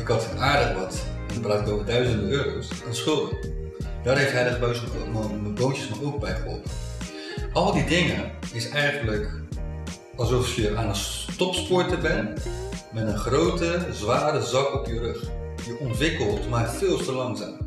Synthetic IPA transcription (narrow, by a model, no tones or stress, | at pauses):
ɪkɑtnaːɹdəχbɔtɛndɔpraːtɪkowvədœɥzəndəøːɾowsaːnsχʏlˠdə | d̥aːrɦejftɦɛjdəχbøɥspomaməbowntjəsmaɹowk̚bɛjχəɦɔ̰lˠtə | ɑlˠdidɪŋəɪsɛjχənlək | ɑlˠsɔfjəʔaːnənstɔpspɔɹtəbɛnmɛtənχrowtəzʋaːɾəzɑkɔpjərɵχ | jəʔɔntʋɪkəlˠtmaɹfɪːlˠstəlɑŋza̰ːm